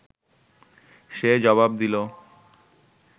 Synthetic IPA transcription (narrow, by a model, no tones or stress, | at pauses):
ʃed͡ʑɔβabd̪ilo